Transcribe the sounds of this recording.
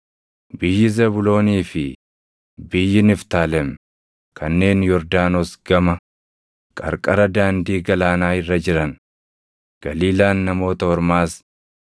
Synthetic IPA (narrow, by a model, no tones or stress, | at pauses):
bɪjːɪzɛbʊlo̞ːniːfɪ | bɪjːɪnɪft̪aːlɛm | kʰɐnːe̞ːnjɔɾd̪aːnosɡɐmɐ | kʼɐ̰ɾkʼɐɾɐd̪aːnd̪iːɡɐlaːnaːɪrːɐd͡ʒɪɾɐn | ɡ̥ɐliːlaːnːɐmo̞ːt̪ɐhɔɾmaːs